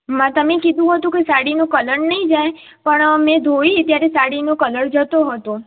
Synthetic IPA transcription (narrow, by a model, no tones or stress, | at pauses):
mãt̪əmekid̪ʱũɦət̪ũkesaɽinõkələɾnəĩd͡ʒaj | pəɳmẽd̪ʱoit̪jaɾesaɽinokələɾd͡ʒət̪oɦət̪õ